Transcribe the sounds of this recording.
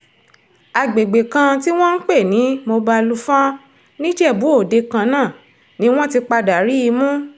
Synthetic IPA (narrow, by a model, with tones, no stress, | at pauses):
a˨ɡ͡be˨ɡ͡be˨kã˧ti˦w̃ɔ̃˦n̩˦k͡pe˦˨nĩ˨˦mo˧ba˧lu˦fã˦ | nĩ˦d͡ʒɛ˦˨bu˨˦o˦˨de˧kã˧nãː˦˨ | nĩ˨˦w̃ɔ̃˦ti˧k͡pa˧da˨ɾi˨˦i˧mũ˦